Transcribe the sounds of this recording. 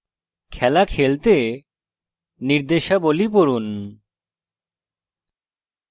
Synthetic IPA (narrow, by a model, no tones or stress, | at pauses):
kʰɛlakʰelt̪e | niɾd̪eʃabolipoɾun